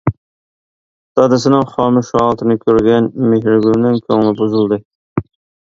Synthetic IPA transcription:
t̪ʰɑd̪ɪsɪnɪŋχɑmɪʃɑʁlˠt̪ʰɪnɪkʲʰøɾɡʲɛnmeɦɾɪɡʲymnɪŋkʲʰøŋlɪbuzulˠd̪ɨ

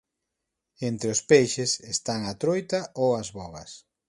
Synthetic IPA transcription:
ent̪ɾeʊspejʃesest̪aŋat̪ɾojt̪aowazβɔɣɐs

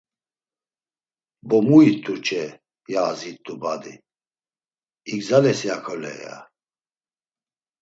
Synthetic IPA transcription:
bɔmuit̪ʰʼut͡ʃʰʼɛ | jaːzit̪ʰʼːubad̪i | iɡzalɛsjakʰɔlɛ̰ja̰

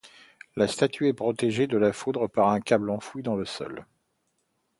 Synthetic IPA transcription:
last̪at̪ʰyɛpχɔt̪eʒed̪əlafud̪ʁəpaʁɛ̃kʲablɑ̃fwid̪ɑ̃ləsɔ̰l

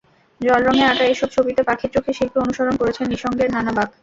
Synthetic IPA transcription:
d͡ʑɔlɾɔŋeaʈaeʃɔb̚t͡ɕʰobit̪epakʰiɾt͡ɕokʰːeʃilpʰeonuʃoɾonkoɾet͡ɕʰenːiʃɔŋɡeɾd̪ʱanabak

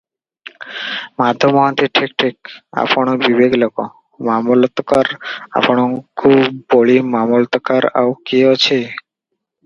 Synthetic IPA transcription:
mad̪ʱomɔɦant̪iʈʰik̚ʈʰik̚a̰poɽ̃obibeɡlɔko | mamulɔt̪kaɾa̰poɽ̃okʰubboɭimamult̪kaɾa̰wkiɔt͡ɕʰe

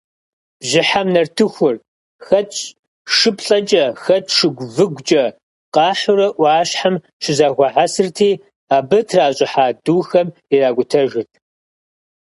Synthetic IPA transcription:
bʑɪħamnɐrtʰɨxʷʊr | xɐtʼ | ʂɨpʰɬʼɐt͡ʃʼɐxɐtʰʼʂɨɡʷvɨɡʷt͡ʃʼɐ | qɑːħʊɾɐʔʷɑːɕħam | t͡ʃʰɪzaɣʷɐħasɨrtʰiː | aːbɐtʰraːɕʼɪħaːduːxɐmiraːɡʷʊtʰɐʒɪrtʰ

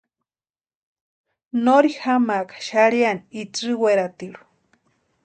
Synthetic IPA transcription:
noɾihamakḁʃaɾianiit͡sɨweɾat̪iɺu̥

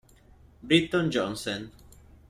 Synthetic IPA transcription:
bɾit̪ɔnd͡ʒɔnsɔn

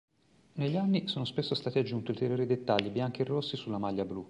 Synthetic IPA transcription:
neʎːianːisoːnospesːost̪aːt̪iad͡ʒːunt̪iult̪eɾjoːɾid̪et̪ːaʎːibjaŋk̟eerːosːisulːamaʎːablu

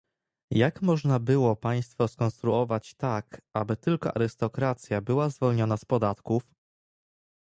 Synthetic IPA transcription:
jakmɔʐnabɘwɔpaj̃st̪fɔskɔ̃nst̪ɾuɔvat͡ɕt̪akabɘt̪ɘlkɔʔa̰ɾɘst̪ɔkɾat̪sʲjabɘwazvɔlɲɔnaspɔd̪at̪kuf

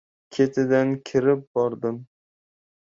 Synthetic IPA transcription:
kʲʰet̪ʰɪd̪ankʲʰɪɾɪp̚bɒɾd̪ɪm

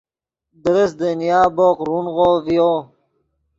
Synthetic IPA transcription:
d̪əɾəsd̪ənjaːboqɾunʁovijo

